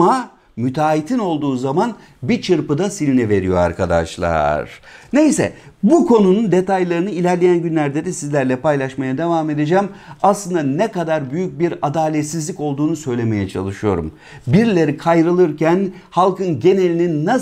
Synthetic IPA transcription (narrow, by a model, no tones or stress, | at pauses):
a | myt̪ʰaːit̪ʰino̞lˠd̪uːzaman | bit͡ʃʰɯɾpɯd̪asininɛve̞ɾḭjo̞a̰ɾkʰad̪a̰ʃlˠa̰ɾ̥ne̞jsɛ̰bukʰo̞nunund̪e̞t̪ajlˠaɾɯnɯilʲæɾlʲejænɟynlʲæɾd̪ed̪ɛsizlʲæɾlʲɛpajlˠaʃmajad̪e̞vaːme̞d̪ed͡ʒæmaslˠɯnd̪anɛkad̪aɾbyjyc̚biɾad̪aːlʲet̪sizlʲico̞lˠd̪uːnusø̞jlʲe̞me̞jɛt͡ʃʰa̰lˠɯʃɯjo̞̰ɾṵm | biɾlʲe̞ɾikʰajɾɯlˠɯɾcʰæn | halˠkɯnɟe̞ne̞lʲininːa